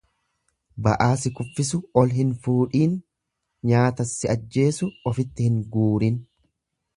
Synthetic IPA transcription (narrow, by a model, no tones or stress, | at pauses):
bɐ̰ʔaːsɪkʼʊfːɪsʊɔlɦɪnfuːᶑiːn | ɲaːt̪ɐsːɪɐd͡ʒːe̞ːsʊɔfɪt̪ːɪhɪŋɡuːɾɪn